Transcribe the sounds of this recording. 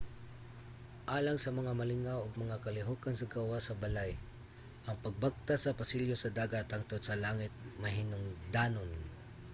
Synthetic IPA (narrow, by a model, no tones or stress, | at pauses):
ʔaːlaŋsɐmɐŋamɐlɪŋawoɡ̚mɐŋakɐlɪɦokansɐɡawasɐbɐlaj | ʔɐŋpɐɡ̚bak̚t̪asɐpɐsɪljosɐd̪aːɡat̪hɐŋt̪od̪sɐlaːŋɪt̪̚mɐɦɪnʊŋd̪aːnoŋ